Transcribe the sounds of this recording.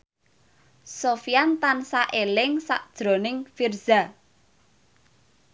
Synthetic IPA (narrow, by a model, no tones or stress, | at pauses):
sofijant̪ansaʔelɪŋsa̰ʔd̥ʒ̥ɾo̤nɪŋfirz̥a